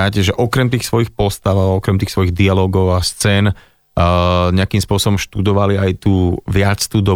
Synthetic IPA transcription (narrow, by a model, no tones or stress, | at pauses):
aːcɛʒɛʔɔkɾɛmt̪iːxsʋɔjixpɔst̪aʊaɔkɾɛmt̪iːxsʋɔjiɣd̪ialɔːɡɔʊast͡sɛːn | ɲɛakiːmspʊɔsɔbɔmʃt̪ud̪ɔʋaliajt̪uːʋɪat͡st̪ud̪ɔ